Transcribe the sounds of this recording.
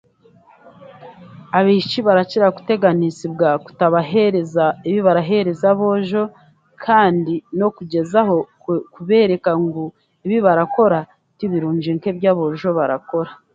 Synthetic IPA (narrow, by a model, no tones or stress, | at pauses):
aβit͡ʃiβaɾaciɾakute̞ɡanisibɡaku̥taβaɦeɾezaiβiβaɾaɦe̞ɾe̞zaβo̞ʒo̞ | kʰaːndino̞kuɟe̞zaɦo̞ | kuβe̞ːɾe̞kaŋɡo | iβiβaɾako̞ɾa | tiβiɾuːɲd͡ʒiŋke̞bɟaβo̞ʒo̞βaɾa̰ko̞ɾa